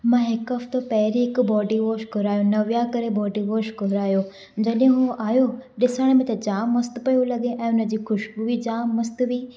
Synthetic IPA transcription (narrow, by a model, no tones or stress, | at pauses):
mãɦɪkɐft̪opɐɦɾiɦɪkbɔːɖiʋoːʃkʊɾaːjõnɐʋjakɐɾebɔːɖiʋoːʃkʊɾaːjo | d͡ʑɐɗjẽɦuʔaːjoɗɪsəɽ̃mẽt̪ɐd͡ʑaːɐst̪̆pɐjolɐɡeʔɛ̃ːʊnə̆d͡ʑiːxʰʊʃbuʋid͡ʑaːmːɐst̪ʋiː